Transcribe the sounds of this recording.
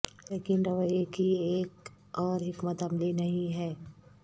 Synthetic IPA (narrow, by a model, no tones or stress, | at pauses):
leːkɪnɾɐʋəekieːk | ɔːɾɦɪkmət̪ɐmlinɐɦĩɦɛː